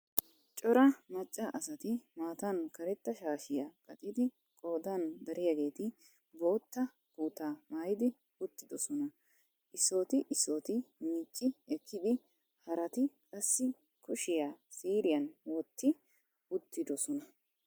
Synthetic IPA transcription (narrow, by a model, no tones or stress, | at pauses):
t͡ʃʼɔɾɐmɐt͡ʃʼːɐʔɐsɐt̪ɪmaːt̪ɐnkɐɾɛt̪ːɐʃaːʃɪjɐkʼɐt̪ʼɪd̪ɪ | kʼo̞ːd̪and̪ɐɾʔɪjɐɡe̞ːt̪ɪ | bo̞ːt̪ːɐ | kuːt̪aːmaːjɪd̪ɪ | ʊt̪ːɪd̪ɔsɔnɐ | ʔɪso̞ːt̪ɪʔɪsːoːt̪ɪmiːt͡ʃʼːɪɛkʰːɪd̪ɪ | hɐɾɐt̪ɪkʼɐsːɪ | kʰʊʃɪjasiːɾɪjɐnwɔt̪ːɪ | ʊt̪ːɪd̪ɔsɔnɐ